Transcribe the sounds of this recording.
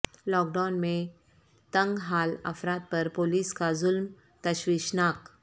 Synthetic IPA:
lɔk̚ɖanmẽ | t̪əŋɡɦalə̰fɾat̪̚pəɾpoliːskazulm | t̪əɕʋiɕnak

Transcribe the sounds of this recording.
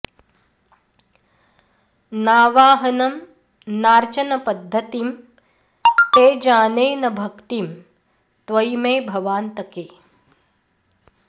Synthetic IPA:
naːʋaːɦɐnɐm | naːɾt͡ʃɐnɐpɐd̪ʱːɐt̪im | teːd͡ʒaːneːnɐbʱɐkt̪im | t̪ʋɐjmeːbʱɐʋaːnt̪ɐkeː

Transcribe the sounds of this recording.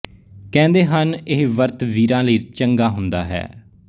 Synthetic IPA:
kɛ̃ːnd̪eːɦənɪɦʋəɾt̪ʋiːɾãːləiːt͡ʃəŋɡaːɦʊnd̪a̰ːɦɛ̰ː

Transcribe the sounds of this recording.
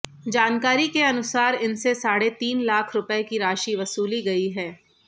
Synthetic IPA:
d͡ʒaːnkaːɾikeɐnʊsaːɾɪnsesaːɽet̪iːnlaːkʰɾʊpekiɾaːʃiʋɐsuːliɡɐiɦɛː

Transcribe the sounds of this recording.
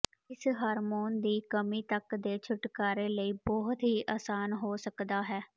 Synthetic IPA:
ɪsɦaːɾmoːnd̪iːkəmiːt̪əkd̪eːt͡ʃʰʊʈkaːɾeːləiːbɔːɦt̪ɦiːʔaːsaːnɦoːsəkd̪aːɦɛː

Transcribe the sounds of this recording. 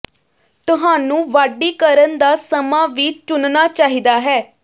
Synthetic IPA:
t̪ʊɦaːnũːʋaːɖiːkəɾənd̪aːsəmãːʋiːt͡ʃʊnnaːt͡ʃaːɦiːd̪aːɦɛː

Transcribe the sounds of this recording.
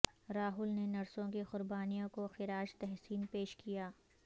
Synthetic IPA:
ɾaːɦʊlnenɐɾsõkexʊɾbaːnijõkoxɪɾaːd͡ʒt̪ɛɦsiːnpeːʃkijaː

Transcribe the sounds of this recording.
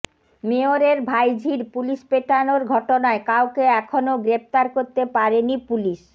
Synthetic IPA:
meoɾeɾbʱajd͡ʑʱiɾpuliʃpeʈanoɾɡʱɔʈonaekawkeɛkʰonoɡɾep̚t̪aɾkoɾt̪epaɾenipuliʃ

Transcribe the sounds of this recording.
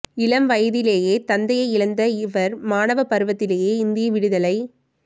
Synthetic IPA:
ɪlɐmʋɐjɐðɪleːjeːt̪ɐnd̪ɐjɐɪɪɭɐnd̪ɐɪʋɐɾmaːnɐʋɐpɐɾɯʋɐt̪ːɪleːjeːɪnd̪ɪjɐʋɪɽɯðɐlɐɪ

